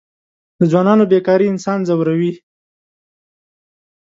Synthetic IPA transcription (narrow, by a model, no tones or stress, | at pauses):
d̪əd͡zwɑnɑnobekɑɾiɪnsɑnzawɾawi